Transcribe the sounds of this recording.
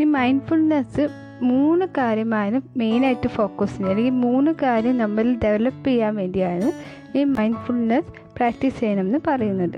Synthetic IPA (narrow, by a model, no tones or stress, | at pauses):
niːmɐjnɖfulnesɨ | muːnːɨkaːɾjɐmaːnɨme̞jnaːjitːɨfo̞ːkːɐsindɐlːeŋɡilmuːnːukaːɾjɐmnɐmːɐldeʋɐlɐpːejːaːnʋe̞ːndijaːɻɳːɨ | niːmɐjndfulnes | praːk̚ʈisejɐnɐmenːɨpɐrɐjunːɐðɨ